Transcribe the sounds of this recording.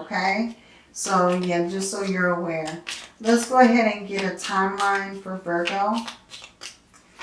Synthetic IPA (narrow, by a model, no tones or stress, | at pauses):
oʊkʰeɪ | soʊjæd͡ʒʌstsoʊjə˞əwɛɹlətsɡ̥oʊɨɦɛɾɨ̃nɡɛɾɨtʰãɪ̃mlãɪ̃nfə˞bɜ˞koʊ